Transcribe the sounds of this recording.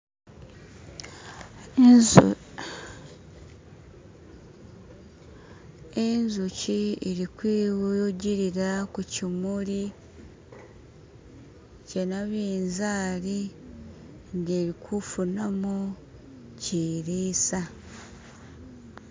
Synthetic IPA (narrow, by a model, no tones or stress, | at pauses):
enzucieɾikwiːwuɟiɾiɾakucimuli | cenaβeːnzaːli | nɡeːɾikʰufunamo | ciːɾeːsa